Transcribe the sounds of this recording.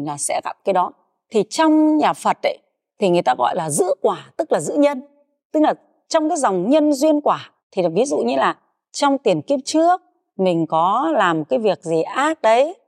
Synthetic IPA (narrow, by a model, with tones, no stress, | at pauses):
ŋlaː˨˩sɛ̰˧˥ɣa˧˩p̚kaː˨˦jɗɔ˨˦ | t̪ʰi˨˩t͡ɕɔ˧wŋ͡mɲaː˨˩fə˨˩t̚ɗə̰˧˦j | t̪ʰi˨˩ŋɨ˨˩əjt̪aː˧ɣɔ̰˧˨jlaː˨˩zɨ̰˧˥kwaː˧˩t̪ɨ˦˥k̚laː˨˩zɨ̰˧˥ɲə˧n | t̪ɨ˦˥k̚laː˨˩ | t͡ɕɔ˧wŋ͡mkaː˨˦jza˨˩wŋ͡mɲə˧nzwi˧ənkwaː˧˩ | t̪ʰi˨˩vi˨˦zṵ˧˨ɲɨ˧laː˨˩ | t͡ɕɔ˧wŋ͡mt̪i˨˩ənki˦˥əp̚t͡ɕɨ˦˥ək̚ | mï˨˩ŋ̟kɔ˨˦laː˨˩mːo˨˩kaː˨˦jvi˨˩ək̚zi˨˩ʔaː˦˥t̚ɗə˨˦j